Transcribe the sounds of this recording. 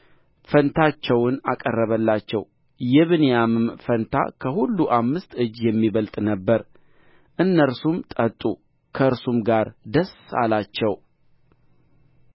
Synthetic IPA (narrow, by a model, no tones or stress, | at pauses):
fənt̪ʰat͡ʃːɛwnakʼərːəβəlːat͡ʃːɛw | jɛβɨnejamɨmfənt̪ʰa̰kʰəhulːuʔamːɨst̪ɨd͡ʒjɛmːiβəlt̪ʼnəbːəɾ | ʔɨnːəɾsumt̪ʼət̪ʼu | kʰəɨɾsumɡaɾd̪əsa̰lat͡ʃːɛw